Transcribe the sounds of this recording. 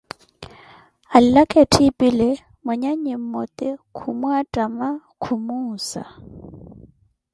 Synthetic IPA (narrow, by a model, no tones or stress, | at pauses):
allakʼɛtʰipʼilɛ | mɛɲaɲɪm̩mɔt̪ɪkʰumuatʼama | kʰumuːsa̰